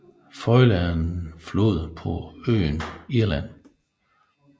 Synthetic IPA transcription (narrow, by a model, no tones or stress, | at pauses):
fɒɪlæn̩flo̝ð̞̰ˠpʰɒø̰ːniɐlæn̰